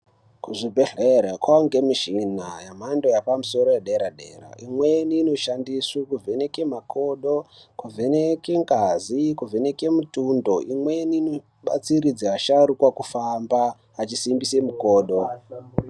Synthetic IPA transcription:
kuʐibʱe̞ɮeɾakwaŋɡe̞miʃinajamando̞japamuso̞ɾojeɗe̞ɾaɗḛːra̰ʔimweniːno̞ʃandisukuvenekemako̞ɗokuvʱe̞nekeŋɡazikuvʱe̞ne̞ke̞mutundo̞ʔimwe̞niːno | ɓa̰t͡siɾid͡zaaʃaɾukwakufamba | at͡ʃisimbise̞muko̞ːɗo

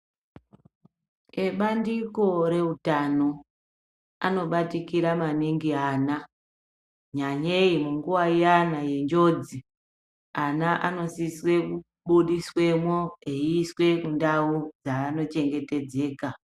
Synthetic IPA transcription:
eɓandiko̞ɾe̞utano̞ | a̰no̞ɓatikiɾamaniŋɡiɦaːna | ɲaɲe̞imuŋɡuwaijanaje̞nd͡ʒo̞ːd͡zi | anaʔano̞siswe̞ku | ɓuɗiswe̞mwoeiːswe̞kundaud͡zaːno̞t͡ʃe̞ŋɡe̞te̞d͡ze̞ːka

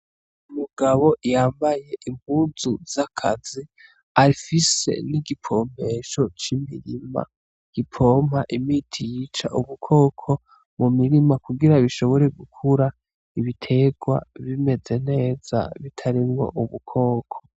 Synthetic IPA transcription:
umuɡaβo̞jaːmbaje̞ʔimuːnzuzakʰa̰zi | aɾifise̞̰niɡipʰo̞ːm̥e̞ʃo̞t͡ʃimiɾima̰ | ɡ̥ipʰo̞ːm̥haʔimiːtʰijiːt͡ʃa̰ʔuβukʰo̞ːkʰo̞ | mumiɾimakuɡiɾaβiʃo̞βo̞ɾe̞ɡukʰuɾa | iβitʰe̞ɡwa̰βime̞ze̞ne̞ːz̥a̰βitʰaɾimŋo̞̰ʔuβukʰo̞ːkʰo̞̥

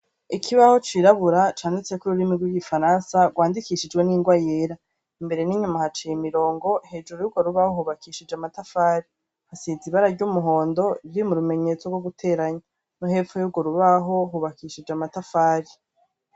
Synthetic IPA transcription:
ikʰiβaho̞t͡ʃiːɾaβuɾat͡ʃaːndit͡se̞kuɾuɾimiɡwiɡifaɾaːnsaɡwaːndikiʃid͡ʒɡwe̞niŋɡwajeːɾa | imbe̞ɾe̞niːɲumahat͡ʃejimiɾo̞ːŋɡo̞he̞ːd͡ʒuɾojuɡoɾuβahohuβakiʃid͡ʒamatafaːɾi | hasiziβaɾaɾɟumuɦo̞ːndo̞ɾimuɾume̞ɲe̞ːt͡so̞ɡwo̞ɡutʰe̞ːɾaɲa | nuhefojuɡoɾuβaɦo̞ɦuβakiʃid͡ʒamatafaːɾi

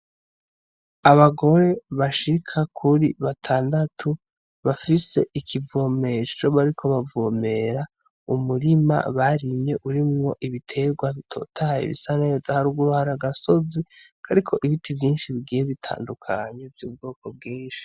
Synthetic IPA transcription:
aβaɡo̞ɾe̞βaʃikʰakʰuɾiβatʰaːndatʰu | βafise̞ʔikʰivoːme̞t͡ʃo̞βaɾikʰo̞βavome̞ɾa | umuɾima̰βaɾimɲe̞ʔuɾimŋo̞ʔiβitʰe̞ɡwaβitʰo̞̰ːtʰajḛβḭsane̞zahaɾuːɡuɾuhaɾaɡaso̞zikʰaɾikʰo̞ʔiβitʰivjiːnʃiβiɡiːjeβitʰa̰ːndukʰaɲevjuːb̚ɡo̞ːko̞b̚ɡiːnʃi̥

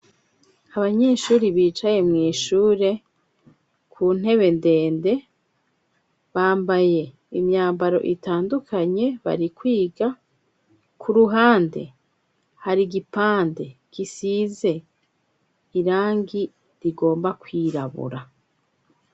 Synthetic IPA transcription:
aβaɲe̞ːʃuːɾiβiːt͡ʃaje̞mŋiːʃuːɾe̞ | kʰuːn̥e̞βe̞nde̞ːnde̞ | βaːmbaje̞ | imɲaːmbaɾo̞̰ʔitaːndukʰaɲe̞βa̰ɾikwiːɡa | kʰuɾuɦaːnde̞̰ | haɾiɡipaːnde̞kisiːze̞ | iɾaːŋɡi | ɾiɡo̞ːmbakwiːɾaβṵɾa

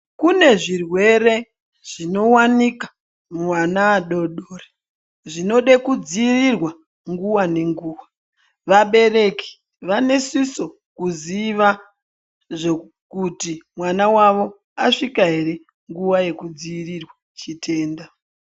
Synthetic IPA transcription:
kune̞ʐirwe̞ɾe̞ | ʐ̥ino̞wanikḁ | muwanaːɗo̞ɗoːre | ʐino̞ɗekud͡ziːrirwa | ŋɡuwane̞ŋɡuːwa | ʋaɓe̞ɾe̞ki̥ | ʋane̞siso̞ | kuziʋa | ʐe | kutimwanawaʋo̞ | aʂikaɦe̞ɾe̞ | ŋɡuwaje̞kud͡ziːrirwa | t͡ʃitʰe̞ːnda

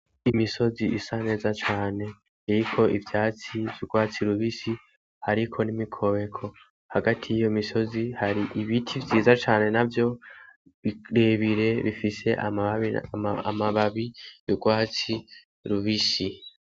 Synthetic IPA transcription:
imiso̞ziʔisane̞ːzat͡ʃaːne̞ː | ɾikʰo̞ivjaːt͡sivjuɡwaːt͡siɾuβisi | haɾikʰo̞nimikʰo̞βe̞kʰo̞ | haɡatʰijijo̞imiso̞zihaɾiʔiβitʰivjiːzat͡ʃaːne̞navjo̞ | βiɾe̞βiɾe̞βifise̞ʔa̰βḭamaβaβijuɡwaːt͡si | ɾuβisi

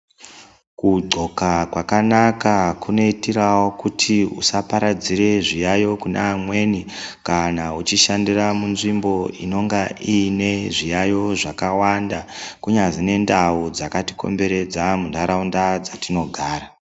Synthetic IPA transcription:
kuɡ͡ǀʱo̞kakwakanakakuno̞itirawo̞kutʰiṵsapaɾad͡ziɾe̞ʐijajo̞kunamwe̞nikanaut͡ʃiʃandiramunʐimbo̞ḭno̞ŋɡaʔine̞ʐijajo̞ʐakawandakuɲazine̞ndaud͡zakati̥ko̞̰mbe̞ɾe̞d͡zamundaɾaundad͡zatino̞ɡʱaːɾa

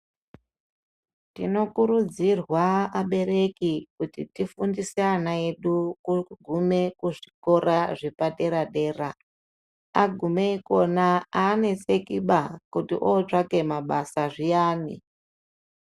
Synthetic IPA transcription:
tḭno̞kuɾud͡zirwaaɓe̞ɾe̞kikutitifundiseanae̞ɗukuɡʱume̞kuʐiko̞ɾaʐipaɗe̞ɾaɗe̞ːra | aɡʱumeiko̞naaːne̞se̞kiɓakutḭʔot͡ʂake̞maɓasaʐijaːnḭ

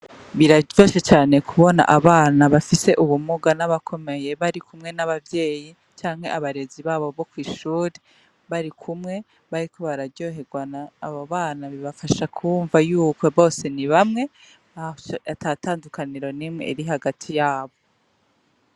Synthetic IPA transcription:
βiɾaɟo̞ːʃet͡ʃaːne̞kʰuβo̞na̰ʔaβaːnaβafise̞ʔuβumuɡanaβakʰo̞me̞je̞βaɾikʰumŋe̞naβavje̞ːji | t͡ʃaːŋheʔaβaɾe̞ziβaːβo̞βo̞kwiːʃuːɾe | βaɾikʰumŋe̞ | βaɾikʰo̞βaɾaɟo̞he̞ɡwanaːβaβaːnaβiβafaʃakʰuːɱvajuːkwo̞βo̞ːse̞niβamŋe̞ | atataːndukaniɾo̞nimŋeiɾiɦaɡatʰijaːβo̞

